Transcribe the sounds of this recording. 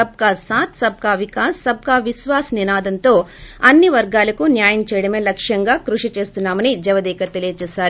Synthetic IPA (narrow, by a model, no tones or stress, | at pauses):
ɐb̚kaːsaːt̪sɐb̚kaːʋikaːsːɐb̚kaːʋiʃʋaːsninaːd̪ɐnt̪o̞ːɐnːiʋɐɾɡaːlɐkunjaːjɐmt͡ʃɛːjɐɽɐmeːlɐkʂjɐŋɡaːkɾuʂit͡ʃe̞ːst̪unːaːmɐnid͡ʒɛʋɐd̪iːkɐt̪elijɐt͡ʃɛːʃaːɾu